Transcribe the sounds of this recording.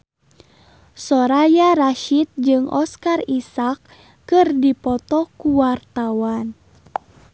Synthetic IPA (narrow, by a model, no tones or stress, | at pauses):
sɔɾajaɾaʃit̪̚d͡ʒɨŋʔɔskarisakː | ɨrdipɔt̪ɔkuwart̪awan